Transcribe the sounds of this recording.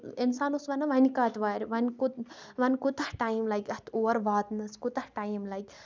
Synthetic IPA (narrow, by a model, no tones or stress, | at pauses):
insaːnusʋɐnɐʋɐnikaːt̪ʋaːɾʲʋɐnkut̪ʋɐnkut̪ɐhʈajmlajkɐt̪ʰoːʋɐɾʋaːt̪nɐskut̪ɐhʈajmlajk